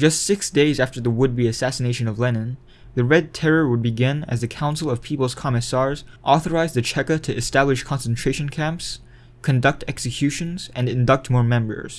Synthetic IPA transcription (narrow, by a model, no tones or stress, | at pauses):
d͡ʒʌstsɪksd̥eɪzæftə˞ðəwʊd̚biɨsæsɨneɪʃɨ̃nʌvlɛnɨ̃n | ðɨɹɛd̚tʰɛɹə˞wəd̚bɨɡɪ̃nɨ̰zðɨkʰãʊ̃nsl̩ˠʌv̥pʰipl̩ˠz̥kʰɑmɨsɑɹzʔɔθə˞aɪzðɨt͡ʃʰɛkɨɾɨʔɨstæblɨʃkʰɑ̃nsn̩tʰɹ̥eɪʃnkʰæ̃mps | kʰɨ̃ndʌk̚tɛksɨkʰj̥ʉʃɨ̃nzɨ̃nɨ̃ndʌk̚t̚mɔɹmɛ̃mbə̰˞z̥